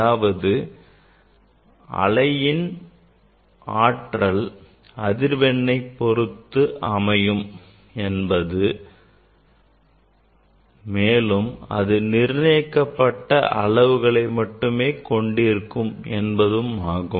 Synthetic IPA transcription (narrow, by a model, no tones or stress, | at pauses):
aːʋɐðɯ | ʔɐ̰lɐjɪn | aːʈrɐl | ɐðɪɾʋɛɳːɐɪpːɔrɯt̪ːɯʔɐmɐjɯm | ɛnbɐðɯ | meːlɯmɐ̰ðɯnɪɾnɐjɐkːɐpːɐʈːɐʔɐɭɐʋɯɣɐɭɐɪmɐʈːɯmeːkɔɳɖɪɾɯkːɯmɛnbɐðɯmaːɣɯ